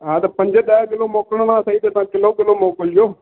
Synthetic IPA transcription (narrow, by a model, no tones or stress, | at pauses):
ãːt̪eːpəɲd͡ʒed̪aːkɪlõːmoːkɳnãːsəiːt̪eːt̪ãːkɪloːkɪlõːmoːkəld͡ʒoː